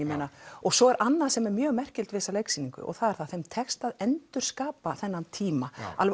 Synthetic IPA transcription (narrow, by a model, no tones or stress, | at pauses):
ɛmeːnaɔɣsɔɛɾʔanːḁsɛmɛɾmjœːɣmɛr̥cɪlt̪vɪːsalejksiniŋkʏ̰ʔɔ̰ɣθaðɛɾ̥θaðθejmt̪ʰɛkst̪aðɛnt̪ʏɾ̥skaːpaθɛnːant̪ʰiːmaʔal